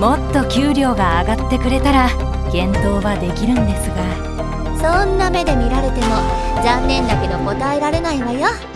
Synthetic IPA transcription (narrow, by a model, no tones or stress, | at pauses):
mo̞t̪ːo̞kʲɨːɾʲo̞ːɡaːɡat̪ːe̞kɯ̟ɾe̞t̪aɾa | ɡ̥ẽ̞nt̪o̞ːβad̪e̞kʲiɾɯ̟̃nd̪e̞sɨɡa | sõ̞nːame̞d̪e̞mʲiɾaɾe̞t̪e̞mo̞ | zãnːẽ̞nd̪ake̞d̪o̞ko̞t̪ae̞ɾaɾe̞naiβajo